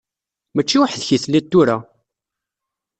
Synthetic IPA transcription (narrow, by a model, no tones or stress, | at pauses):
mət͡ʃːiwəħðçiθlit̪ːuɾa